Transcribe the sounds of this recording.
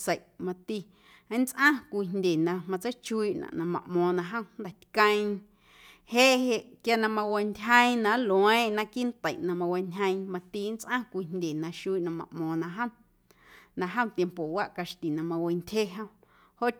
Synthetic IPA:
sə˨ʔmã˧t̪i˧˦ | nt͡sʔã˦kʷi˧nndʲe˨nã˧mã˧t͡sə˦t͡ʃu˦˧i˧˨ʔnã̰˨ʔnã˧mã̰˨ʔmɔ̃ː˧nã˧ɦə̃˦˧n˦d̪a˨t̪kə̃˧j̃ | heː˦ʔɦe˧ʔkja˧nã˧mã˧we˧ndʲɦə̃˦j̃nã˧˦lwẽ˦˨nã˧ki˦nt̪ə˨ʔnã˧mã˧we˧nʲə̃˧j̃mã˧t̪iː˧˦nt͡sʔã˦kʷi˧nndʲe˨nã˧ʃu˧˦i˦ʔnã˧mã̰˧˨ʔmɔ̃ː˧nã˧ɦə̃˦ | nã˧ɦə̃˦˨t̪je˧mpo˨wa˦ʔka˧ʃt̪i˨nã˧mã˧we˧ntʲhe˦ɦə̃˧ | ho˦ʔ

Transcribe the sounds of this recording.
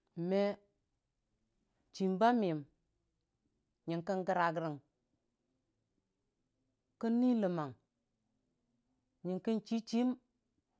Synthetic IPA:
me˦ | t͡ʃi˨mba˦mi˨m | ɲi˨ŋkə˦nɡə˦ɾa˨ɡɾi˨ŋ | kə˦nːi˦lə˨ma˨ŋ | ɲi˨ŋki˦nt͡ʃi˦t͡ʃi˦m

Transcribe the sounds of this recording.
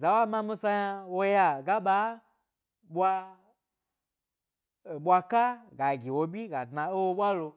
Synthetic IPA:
za˨wa˦mã˧mĩ˧sa˧ja˧wo˦˧ja˧ɡa˦ɓa˦ | ɓʷa˧˨ | ɓʷa˧ka˦ɡa˨ɡʲi˨wo˧bʲi˦ɡa˨dna˧o˦wo˧ɓʷa˦lo˧

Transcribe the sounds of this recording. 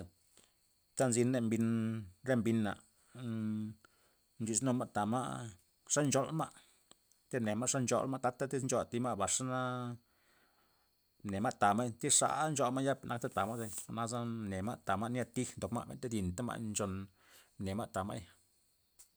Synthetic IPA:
t̪a˦nzi˧ne˧mbi˧nɾe˦mbi˧nːa̰˨ | nd͡ʒi˧˨sno˧ma˦t̪a˨ma̰˦ʔ | ʂa˦nd͡ʒo˧lma̰˦ʔ | t̪e˦ne˨ma˦ʂa˦nt͡ʃo̰˧lma˦t̪a˧˦t̪a˦t̪i˦snt͡ʃo˧t̪i˧ma˦ʔba˨ʂa˦na˦ | ne˨ma˦t̪a˨ma˦jt̪i˦ʂa̰˧˦nd͡ʒo˧ma˦ja˦pnʔa˧kt̪a˦t̪a˨ma˦ze˧na˦za˦ne˨ma˦t̪a˨ma˦ʔnja˧t̪i˦xnd̪o˨kma̰˦bḛ˨t̪e˦d̪i˨nt̪a˦ma̰˧ʔnt͡ʃo˧n | ne˨ma˦t̪a˨ma̰˦j

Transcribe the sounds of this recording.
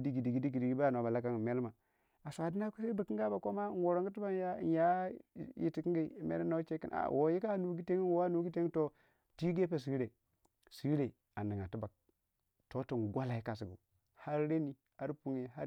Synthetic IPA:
di˦ɡi˨di˨ɡi˦di˦ɡi˨di˨ɡi˦ba˦a˨n˨a˨ba˨la˦ka˦ŋ˨me˦lma˨ | a˨sa˨di˦na˦ku˦se˦bə˨ki˦ŋɡa˦ba˨ko˦ma˦ŋwo˨ɾo˨ŋɡi˦ti˦ba˦˨˦ja˦ji˨ti˨ki˦ɡi˦˨mḛ˦lna˦t͡ʃe˦kḭ˦nʔa̰˨wʔo˨ji˦ka˦˨nu˨ɡi˦te˦ŋi˦wo˦a˦nu˦ɡi˦te˦ŋ˦to˦ | ti˦ɡe˦p̬e˨s̬i˨˦ɾe˨ | si˦ɾe˨ | a˨ni˨ŋa˨tu˦ba˨k̚ | to˦ti˨nɡʷa˦la˨i˦ka˨s̬i˨ɡṵ˨ | ha˦ɾɾe˦ni˨ | ha˦ɾpu˦ŋe˨ɦa˦

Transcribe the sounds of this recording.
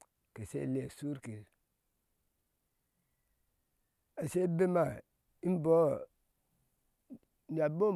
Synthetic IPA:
ke˨sḛ˦˨le˨su˦ɾke˨ɾ | a˨se˦be˦ma˨ | i˦m˦bo˦ | n˨a˨bo˦

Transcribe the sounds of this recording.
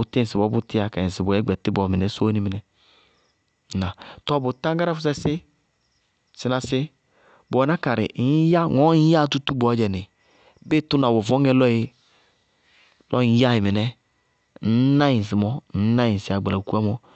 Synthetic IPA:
u˨te˦˨si˨bɔ˨˦bu˦tɪ˦a˦ka˨i˨si˨bɔ˨ɛ˦ɡ͡bɛ˨ti˦bɔ˨mɛ˨nɛ˨˦so˦ni˦mi˨nɛ˨ | na˨tɔ˦bo˨tã˦ɡa˦ɾa˦fu˦s̬ɛ˦sɪ˦ | sɪ˨na˨sɪ˦ | bɔ˨˦na˦ka˨ɾɪ̰˨˦ja˦ŋɔ˨˦ja˦˨tu˦tu˦bɔ˨˦d͡ʒɛ˨ni˨ | be˦tu˦na˨wɔ˨vɔ˦ŋɛ˦lɔ˦i˦ | lɔ˦ja˦ji˨mi˨nɛ˦ | n̩˦na˦ji˨s̬i˨mɔ˦n̩˦na˦ji˨si˨˦˨a˨ɡ͡ba˨la˨ku˦a˦mɔ˦

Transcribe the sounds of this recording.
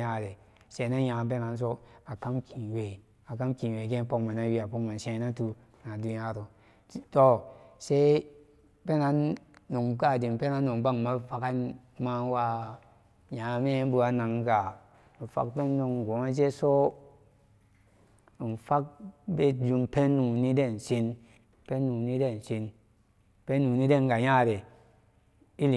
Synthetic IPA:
a˦˨ɾe˨ | se˨˦na˦ja˨p̬e˦na˨ns̬o˦a˨ka˦mkʰi˨we˨ | a˨ka˦mki˨we˨ɡe˦po˦kma˨na˦wi˦a˨po˦kma˨nsẽ˦na˦tu˨ | na˨du˦ja˦ɾo˨˦ | to˦se˦ | pe˦na˨˦nːu˨ŋka˦˨di˨m˨pe˦na˦nːo˨ŋba˦˨ŋma˦fa˦ka˦n | ma˦wa˦ | ɲã˨˦me˦bu˧a˦na˨ŋ˦ɡa˨ | fa̰˦kpe˦nː˦o˧ŋ˨ɡo˨˦ŋe˦d͡ʒe˦so˦˨ | n˨fa˦k̚be˦d͡ʒu˧mpe˦nːu˨ni˦de˦˨n˨si˦n | pe˦nːu˨ni˦de˦˨n˨si˦n | pe˦nːu˨ni˦de˦˨n˨ɡa˨ja˦˨ɾe˨ | i˦li˨

